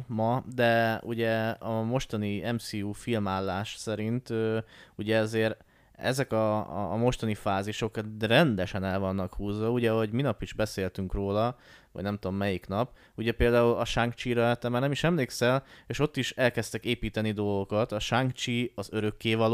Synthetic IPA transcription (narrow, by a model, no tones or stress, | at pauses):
mɒd̪ɛṵɟɛɒmo̞ʃt̪ɒniɛmsiːuːfilmaːlːaːʃsɛɾint̪øːuɟɛɒzeːɾ | ɛ̰zɛkɒmo̞ʃt̪ɒnifaːziʃo̞krɛnd̪ɛʃɛnɛlvɒnːɒkhuːzʋɒuɟɛɦo̞ɟminɒpiʒbɛseːlt̪yŋkroːlɒ | vɒ̰ɟnɛmt̪uo̞mːɛjikn̪ɒp | uɟɛpeːld̪aːulɒʃaŋkt͡ʃiɾɛt̪ɛmːaːɾnɛmiʃɛmleːksɛleːʃo̞t̪ːiʃɛlkɛst̪ɛkeːpiːt̪ɛnid̪o̞lɡo̞kɒt̪ɒʃaŋkt͡ʃiɒzøɾø̞kːeːvɒlː